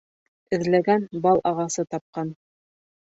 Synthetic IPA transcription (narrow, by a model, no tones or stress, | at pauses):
ɘ̆ðlæɡænbɑlˠʔɑʁɑsɤt̪ɑp̚qɑn